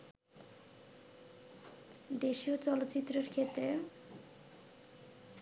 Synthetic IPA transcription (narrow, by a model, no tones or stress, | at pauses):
d̪esiot͡sɔlot̪ːt͡sit̪ːrʌrkʰet̪re